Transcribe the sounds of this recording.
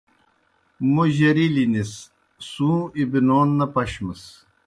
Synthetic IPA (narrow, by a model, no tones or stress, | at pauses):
moʑɐɾilinis | sũːibinoːnːɐpɐɕməs